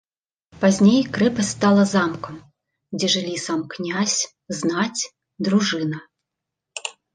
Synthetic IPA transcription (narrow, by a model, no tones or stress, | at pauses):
pazʲnʲejkɾɛpɐsʲst̪alˠɐzamkɐm | d͡zʲɛʐɨlʲisamknʲasʲ | znat͡sʲ | d̪ɾuʐɨnɐ